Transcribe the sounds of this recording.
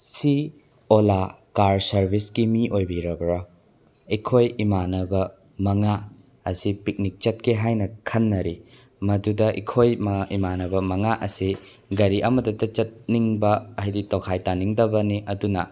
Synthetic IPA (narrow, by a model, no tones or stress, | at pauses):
si | olakaɾsɐɾbʱiskimiʔojbiɾɐbɾo | ikʰojimanɐbɐ | mɐŋa | ɐsipik̚nik̚t͡ʃɐt̚keɦajnɐkʰɐnːɐɾi | mɐdudɐʔikʰojmimanɐbɐmɐŋaʔɐsi | ɡɐɾiʔɐmɐdɐtɐt͡ʃɐt̚niŋbɐajditowkʰajtaniŋdɐbɐniʔɐdunɐ